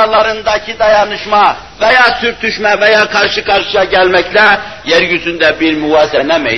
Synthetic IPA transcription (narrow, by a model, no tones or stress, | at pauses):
lˠɑɾɯnd̪ɑcʰid̪ɑjɑnɯʃmɑ | vɛjaːsyɾt̪ʰyʃmævɛjaːkʰɑɾʃɯkʰɑɾʃɯjaɟælmɛclɛ | jæɾjyzynd̪ɛbiɾmyvɑːsɛnɛmɛ̰j